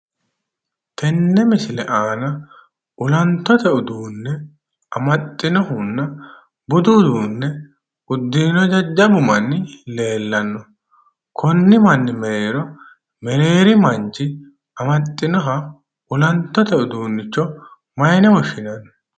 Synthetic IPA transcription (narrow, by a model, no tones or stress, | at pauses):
t̪ɛnːɛmɪsɪlɛʔaːnɐ | ʔʊlɐnt̪ːɔt̪ɛʔʊd̪uːnːɛ | ʔɐmɐt̪ʼːɪnɔhʊnːɐ | bʊd̪ud̪uːnːɛ | ʊd̪ːiːnɔd͡ʒɐd͡ʒːɐbʊmɐnːɪle̞ːlːɐnːɔ | kʰɔnːɪmɐnːɪmɛɾeːɾɔ | mɛɾe̞ːɾɪmɐnt͡ʃːɪ | ɐmɐt̪ʼːɪnɔɦɐ | ʔʊlɐnt̪ːɔt̪ɛʊd̪uːnːɪt͡ʃːɔ | mɐjnɛwɔʃɪnɐnːɔ